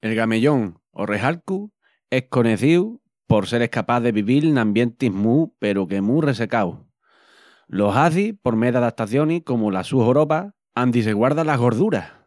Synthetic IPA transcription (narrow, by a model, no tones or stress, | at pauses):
e̞lɣame̞ʎo̞ŋ | o̞̰re̞ɦalku | e̞hko̞neθiw | po̞ɾse̞ɾe̞hkapaðe̞βiβilnãmbjent̪iɦmupe̞ɾuke̞mure̞s̬e̞kaw | lo̞ɦaθipo̞ɾme̞ðaðat̪aθjo̞nihko̞molasuhoɾo̞pa | and̪is̬e̞ɣwaɾðalaɦɣo̞ɾðuɾa